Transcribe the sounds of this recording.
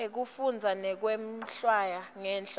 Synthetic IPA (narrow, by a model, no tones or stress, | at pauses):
ek̬ufund͡zʱanɛk̬wem̩ɬwajaŋɛːnɬ